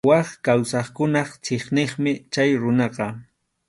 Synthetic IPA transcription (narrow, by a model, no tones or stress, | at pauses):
wɑχkawsɑχkʊnɑχt͡ʃeχnɪχmɪt͡ʃajɾʊnɑqɑ